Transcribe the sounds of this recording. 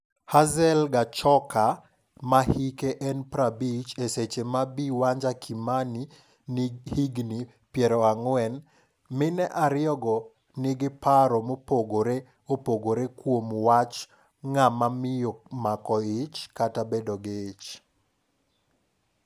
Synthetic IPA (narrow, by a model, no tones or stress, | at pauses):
hazɛlɡat͡ʃɔka | mahikeʔɛnpɾabit͡ʃeset͡ʃemabiwaɲd͡ʒakʰimani | nɪhiɡni | pjɛɾɔaŋwɛn | mɪnɛʔaɾɪɔɡɔ | nɪɡɪpaɾɔmopoɡoɾe | opoɡoɾekwomwat͡ʃ | ŋamamɪjomakɔɪt͡ʃkatabedoɡɪːt͡ʃ